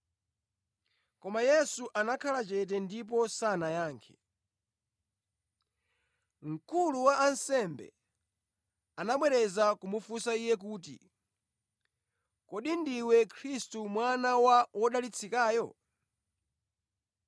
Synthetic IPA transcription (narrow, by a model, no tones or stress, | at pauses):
kɔmajɛsuʔanakʰalat͡ʃɛt̬ɛndip̬ɔsanajaːŋkʰɛ̥ | ŋ̩kuluwaʔansɛmbɛ̰ | anaɓwɛɾɛzakumufusaijɛk̬uːt̬ḭ | kɔɗindiwɛkʰɾistumwanawaɔɗalit͡sʰikaːjɔ